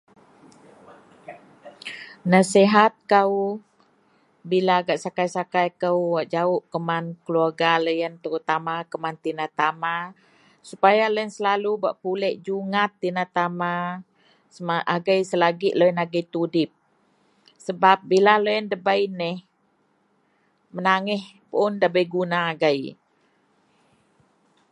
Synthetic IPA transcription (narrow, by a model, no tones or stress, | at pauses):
nasiɦat̪̚kaw | bilaɡaʔsakajsakajkəwwaʔd͡ʒaʊʔkəmankəluarɡaləjənt̪əɾut̪amakəmant̪inat̪ama | supajaləjənsəlaluba̰ʔpulɛʔd͡ʒuŋat̪ːinat̪ama | səmaʔaɡəjsəlaɡiʔləjənaɡəjt̪udɪp̚ | səbap̚bilaləjəndəbəjnɪh | mənaŋɪh | pʊndabəjɡunaːɡəj